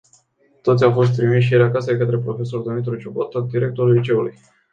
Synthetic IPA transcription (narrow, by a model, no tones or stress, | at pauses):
t̪o̞t̪sʲawfo̞s̬t̪ːɾimiʃijeɾʲakasad̪ekət̪ɾe̞pɾo̞fe̞so̞rd̪o̞mit̪ɾut͡ʃubot̪ok̚d̪iɾe̞k̚t̪o̞ɾuluit͡ʃe̞uluj